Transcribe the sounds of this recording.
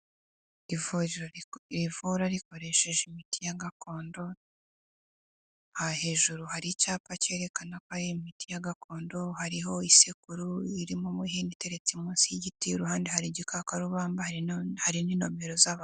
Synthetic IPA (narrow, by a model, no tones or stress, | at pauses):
ivuɾivuɾaɾiko̞ɾe̞ʃe̞ʒeimitijaɡakʰo̞ːndo̞ | hahe̞ːʒuɾuhaɾicaːpace̞ːɾe̞kanakohaɾimitijaɡako̞ːndo̞haɾiɦo̞isekuɾuiɾimumuɦinite̞ɾet͡simuːnsiiɟitiɾuhaːndehaɾiɟikʰakaɾuβaːmbahahaɾiniːno̞me̞ɾo̞zaβa